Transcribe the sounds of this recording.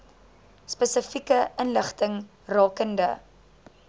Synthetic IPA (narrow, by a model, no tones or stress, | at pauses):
spəsəfikəənləχtəŋ | rɑːkəndə̰